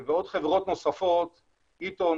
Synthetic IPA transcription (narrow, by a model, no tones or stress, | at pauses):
veod̪χevʁo̞t̪nosafot̪ | it̪o